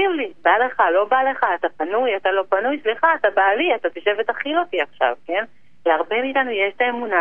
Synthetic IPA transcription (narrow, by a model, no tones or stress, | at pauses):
ivlibale̞χalo̞bale̞χaːt̪apanujat̪alo̞panujsliχaːtabaliat̪at̪iʃe̞vet̪aχilot̪iaχʃa̰vke̞n | veaʁbe̞miːtanujeʃt̪aemuna